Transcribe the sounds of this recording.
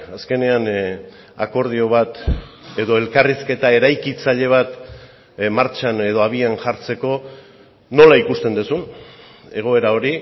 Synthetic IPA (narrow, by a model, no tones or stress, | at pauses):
aske̞ne̞an | a̰ko̞ɾð̞io̞β̞at̪ | e̞ðo̞e̞lkariske̞t̪ae̞ɾajkit͡saʎe̞β̞at̪ | maɾt͡ʃane̞ð̞o̞aβ̞ianʝaɾt͡se̞ko̞ | no̞laikust̪e̞nd̪usun | e̞ɣ̞o̞e̞ɾao̞ɾi